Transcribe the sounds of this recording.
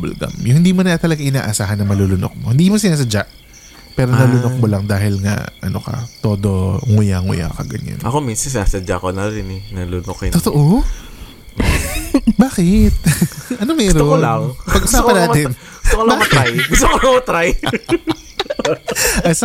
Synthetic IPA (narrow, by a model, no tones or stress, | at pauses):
bɐ̰lɡɐ̰mjʊŋhɪnd̪iːmonɐɐt̪ɐlɐɡaŋʔɪna̰ːʔɐsaːɦɐnːɐmɐlulʊno̰k̚mohɪnd̪iːmosɪnaːs̬ɐd͡ʒaʔ | pɛːɾonɐlʊnok̚molɐŋd̪aːɦɪlŋɐ̰ʔɐ̰nokɐ̰t̪o̞ːd̪o̞ŋʊjaŋʊ̰ja̰kɐ̰ɡɐ̰ɲa̰nʔɐkominsɐns̬ɪnaːsɐd͡ʒakonɐɾɪnɛnɐlʊnokɪt̪ot̪oʔo | baːkɪt̪̚ɐnomɛːɾoaŋpɐɡʔʊsaːpɐnaːɪn | ʊst̪okolbaːt̪ajɡʊst̪okolɐŋɐt̪ɾaj | ɐs